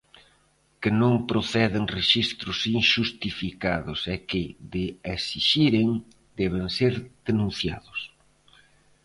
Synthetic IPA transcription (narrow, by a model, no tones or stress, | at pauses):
kɪnõŋpɾoθɛðɪŋreʃist̪ɾʊsiŋʃust̪ifikaðʊsɛkɪðɪesiʃiɾeŋ | d̪ɛβ̞ɪŋseɾð̥enũn̟θja̰ðʊs